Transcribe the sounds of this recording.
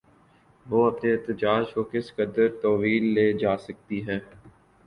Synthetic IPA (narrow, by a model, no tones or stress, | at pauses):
ʋoːɐpneɛːt̪əd͡ʒaːd͡ʒkoːkɪskəd̪əɾt̪ɔːʋiːlːeːd͡ʒaːsɐk̚t̪iɦɛ̃ː